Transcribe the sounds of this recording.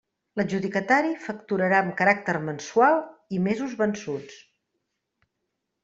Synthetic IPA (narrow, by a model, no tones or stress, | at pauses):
ləʒuðikət̪aɾifəkt̪uɾəɾaəmkəɾak̚t̪əɾmənsualˠimezuzβənsut͡s